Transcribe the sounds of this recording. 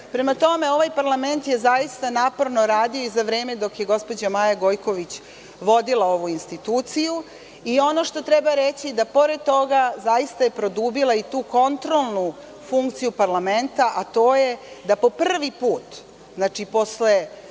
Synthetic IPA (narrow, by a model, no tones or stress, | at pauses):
pɾe̞mat̪o̞me̞o̞ʋajpaɾlame̞nt̪je̞zajist̪anaːpoɾno̞ɾaːd̪io̞izaʋɾe̞ːme̞d̪o̞kje̞ɡo̞spo̞d͡ʑamaːjaɡo̞jko̞ʋit͡ɕ | ʋo̞d̪ilˠao̞ʋuinst̪it̪uːt̪siju | io̞no̞ʃt̪o̞t̪ɾebaɾet͡ɕid̪apo̞ɾed̪̚t̪o̞ɡazajist̪aje̞pɾo̞d̪uːbilait̪uːko̞nt̪ɾo̞lˠnu | fuŋkt̪sijupaɾlame̞nt̪aʔat̪o̞ːjed̪apo̞pr̩r̩ʋipuːt̪ | znat͡ʃipo̞sle